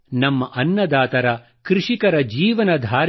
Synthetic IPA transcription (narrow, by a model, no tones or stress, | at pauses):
nɐmːɐʔɐnːɐd̪aːt̪ɐɾɐ | kɾiʂikɐɾɐd͡ʒiːʋɐnɐd̪ʱaːɾ